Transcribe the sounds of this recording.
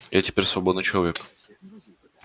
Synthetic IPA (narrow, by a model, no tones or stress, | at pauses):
jatʲɪ̥pʲeɾʲsvɐbo̞d̪nɨjt͡ɕɪlˠɐvʲek